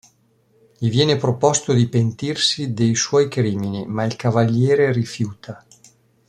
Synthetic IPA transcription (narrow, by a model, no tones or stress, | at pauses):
ʎivjɛːnepɾopost̪od̪ipent̪irsid̪ejswɔːjkɾiːminimailkavaʎːɛːɾerifjuːt̪ʰa